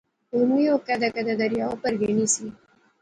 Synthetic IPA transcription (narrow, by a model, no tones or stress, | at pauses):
umujokad̪akad̪ad̪aɾjaopəɾɡenisi